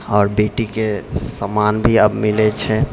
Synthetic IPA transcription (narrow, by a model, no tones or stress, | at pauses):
ɔːɾbeːʈikesəmanbʱiəbmɪlet͡ʃʰɛ